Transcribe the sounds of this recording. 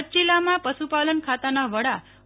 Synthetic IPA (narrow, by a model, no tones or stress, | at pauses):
t͡ʃilamãpəsupalənkʰat̪anaʋəɽa